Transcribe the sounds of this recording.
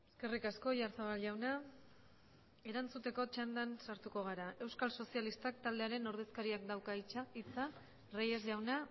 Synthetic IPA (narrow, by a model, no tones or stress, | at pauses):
eske̞rikasko̞ʝaɾsaβalʝawna | e̞ɾant͡sut̪e̞ko̞t͡ʃand̪ansaɾt̪uko̞ɣ̞aɾae̞wskalso̞sialist̪ak̚t̪ald̪e̞aɾe̞no̞ɾð̞e̞skaɾiakd̪awkait͡ʃait͡sa | rejezʝawna